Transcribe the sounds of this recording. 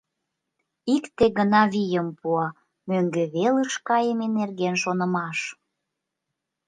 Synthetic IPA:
ikt̪eɣənɑβʲijəmpuɑ | møŋɡeβeləʃkɑjəmenerɣenʃonə̆mɑʃ

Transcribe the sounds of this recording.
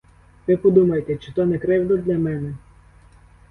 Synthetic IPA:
ʋɪpɔd̪umɐjet̪ɛt͡ʃɪ̥t̪ɔnɛkɾɛwd̪ɔd̪ʲlʲɐmɛnɛ

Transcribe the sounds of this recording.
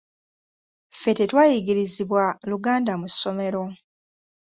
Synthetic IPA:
fe̞tetwaːjiɡiɾiziβwaluɡaːndamusːo̞me̞ɾo̞

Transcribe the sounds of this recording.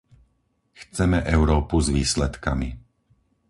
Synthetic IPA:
xt͡sɛmɛʔɛʊɾɔːpuzʋiːslɛt̪kamḭ

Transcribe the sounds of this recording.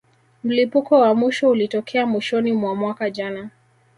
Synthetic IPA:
m̩lipukɔwamwiʃɔulitɔkʰɛamwiʃɔnimwamwakaʄana

